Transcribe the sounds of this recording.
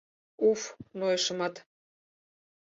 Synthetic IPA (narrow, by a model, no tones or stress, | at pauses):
ufnojʃə̆mɑt̪